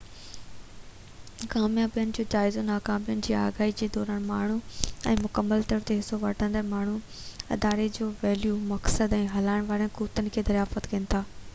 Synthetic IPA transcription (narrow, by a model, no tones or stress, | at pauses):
kaːmjãpijənɪ̆d͡ʑoːd͡ʑaːɪzonaːkãːmpijənɪ̆d͡ʑiːa̰ːɡaːɦid͡ʑeːd̪ɔːɾəɽ̃maːɳ̤uɛ̰̃ːmʊkəmːəlt̪ɐɾət̪eɦɪsoʋɐʈʰə̃nd̪əɾmaːɳ̤u | ɐ̰d̪aːɾed͡ʑoːʋɛːljumɐksəd̪ɛ̃ːɦɐlaːɪɽ̃ʋaːɾənɪkuːt̪ənɪ̆kʰeːd̪ɐɾjaːfət̪kɐnɪ̆t̪ʰaː